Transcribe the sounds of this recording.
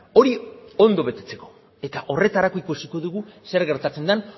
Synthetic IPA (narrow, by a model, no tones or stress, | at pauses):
o̞ɾio̞nd̪o̞βe̞t̪e̞t͡se̞ko̞̥ | e̞t̪aʔo̞re̞t̪aɾako̞ikusiko̞ðuɣuse̞ɾɣe̞ɾt̪at͡se̞nd̪an